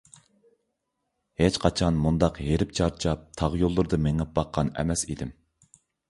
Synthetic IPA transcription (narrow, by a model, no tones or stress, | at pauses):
het͡ʃqʰɑt͡ʃʰɑnmund̪ɑqɦeɾɪp̚t͡ʃʰɑɾt͡ʃʰɑp̚t̪ʰɑʁjolˠːuɾd̪ɨmɪŋɛp̚bɑqʰːɑnɛ̰mɛsḭd̪ɪm